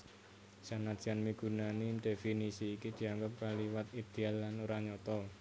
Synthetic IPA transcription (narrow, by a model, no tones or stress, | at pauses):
sanad̥ʒ̥anmiɡ̥ṳnanid̪̥efinisiːkid̪̥i̤aŋɡap̚kaliwat̪id̪̥ealːanuɾaɲɔt̪ɔ